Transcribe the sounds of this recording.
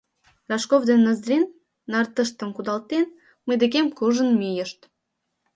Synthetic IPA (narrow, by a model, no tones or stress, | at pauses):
rɑʃkovd̪enːəzɾʲinː | ɑrt̪əʃt̪ə̆mkud̪ɑlt̪en | məjd̪ekemkuʒə̆nmijəʃt̪